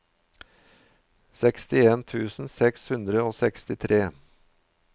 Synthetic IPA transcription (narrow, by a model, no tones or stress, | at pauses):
sɛkst̪ɪeːnt̪ʰʉːsn̩sɛkshʉnd̪ɾəoːsɛkst̪ɪt̪ʰɾeː